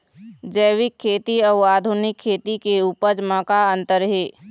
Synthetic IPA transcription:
d͡ʒəjwɪkʰːeːt̪iɔːaːd̪ʱunɪkʰːeːt̪ikeuːpəd͡ʒmə̃kaə̃nt̪əɾɦeː

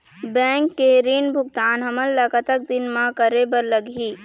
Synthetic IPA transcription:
bɛ̃ːŋkːeɾiːnbʱʊɡ̚t̪aːnɦɐməlːakət̪ək̚d̪ɪnmãkəɾebəɾləɡɦiː

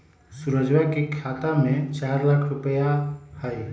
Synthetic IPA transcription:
suɾəd͡ʒwakekʰaːt̪amẽt͡ʃaːɾlaːkʰɾʊpəjahəj

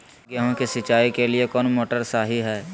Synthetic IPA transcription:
ɡəɦõkisɪt͡ʃaːikeliekɔːnmoːʈəɾsaːɦiɦɛː

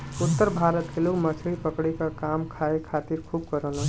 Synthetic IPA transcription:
ut̪ːəɾbʱaɾət̪kelumət͡ʃʰəipəkɽikəkamkʰaekʰat̪iɾkʰub̚kəɾələ̃n

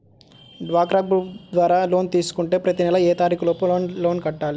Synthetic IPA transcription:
ɖʋaːkɾaːɡ̚bud̪ʋaːɾaːlo̞ːnt̪iːsu̥kuɳʈe̞ːpɾɐt̪inɛlɐɛːt̪aːɾiːkuloːpuoːnlo̞ːnkɐʈːaːli

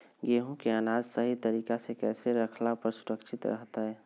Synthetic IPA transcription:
ɡeːɦũkeanaːd͡ʒsəɦit̪əɾiːkasekɛːseɾəkʰlapəɾsʊɾəkʃʰɪt̪ɾə̰ɦt̪aɦɛː

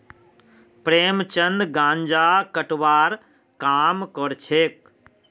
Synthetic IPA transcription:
pɾeːmt͡ʃənd̪ɡãːɲd͡ʒaːkəʈʋaːɾ | kaːmkɔɾt͡ʃʰeːk̚

